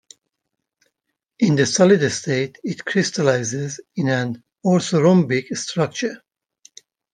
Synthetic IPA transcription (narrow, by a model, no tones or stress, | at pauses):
ɪ̃nd̪əsɔlɪdestʰeɪtɪtkʰɹɪstʰəlaɪzɪzɪ̃næ̃n | ɔsoɹɔ̃mbikstʰɹʌk̚t͡ʃə˞